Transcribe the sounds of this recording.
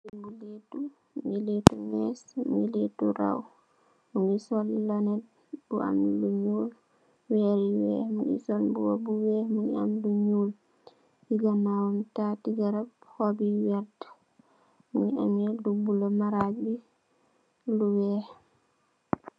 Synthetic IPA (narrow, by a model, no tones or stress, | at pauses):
umuletu | miletumɛsmiletuɾa̰w | munɡisɔlːanɛd̚ | buʔa̰mluɲul | wɛɾiwɛ̰muʔḭsɔlbuwobuwɛmuɲia̰mduɲul | hiɡamawamtatiɡaɾabhɔbiwɛɾt | muɲiʔa̰mɛdubulɔmaɾad͡ʒbi | luwɛh